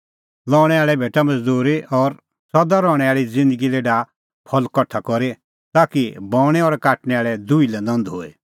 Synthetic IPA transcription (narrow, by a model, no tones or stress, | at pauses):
lɔːɽ̃ɛaːɭɛbʱeːʈamɐd͡zd̪uːɾiʔɔɾ | sɔd̪aɾɔːɽ̃ɛaːɭid͡zɪ̃nd̪əɡileɖa | pʰɔlkɔʈʰːakɔɾe | t̪aːkibɔːɽ̃ɛɔɾkaːʈɽ̃ɛaːɭɛd̪ʊilɛnɐ̃nd̪ɦoːe